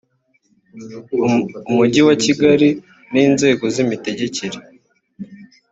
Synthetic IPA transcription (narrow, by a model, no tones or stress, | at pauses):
umuɟiwaciɡaɾi | niːnze̞ːɡo̞zimite̞ɟe̞ceɾe